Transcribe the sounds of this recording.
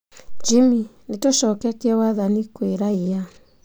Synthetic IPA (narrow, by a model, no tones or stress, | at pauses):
d͡ʒiminetoʃɔkɛkeɛwaðanikweɾaia